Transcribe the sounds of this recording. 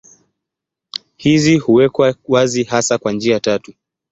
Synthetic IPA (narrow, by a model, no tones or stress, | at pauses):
hizihuwɛkwawazihasakwand͡ʒiatatu